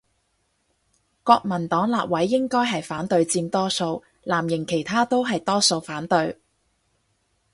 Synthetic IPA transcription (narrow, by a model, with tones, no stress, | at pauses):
kɔː˧k̚mɐ˨˩nt̪ɔː˨˥ŋlaː˨p̚wɐ˨˥jːɪ˥ŋkɔː˥jɦɐ˨jfaː˨˥nt̪ɵ˧ɥt͡siː˧mt̪ɔː˥so˧w | laː˨˩mjɪ˨˩ŋkʰe˨˩jt̪ʰaː˥t̪o˥wɦɐ˨jt̪ɔː˥so˧wfaː˨˥nt̪ɵ˧ɥ